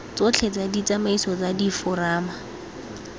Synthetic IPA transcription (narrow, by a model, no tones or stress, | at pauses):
t͡sʊt͡ɬʰet͡sadit͡samaisɔt͡sadifʊraːma